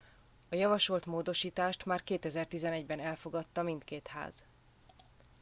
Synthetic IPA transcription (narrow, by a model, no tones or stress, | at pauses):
ɒjɒvɒʃo̞lt̪moːd̪o̞ʃiːt̪aːʃt̪maːrkeːt̪ɛzɛrt̪izɛnɛɟbɛnɛlfo̞ɡɒt̪ːɒmint̪keːt̪ha̰ːz̥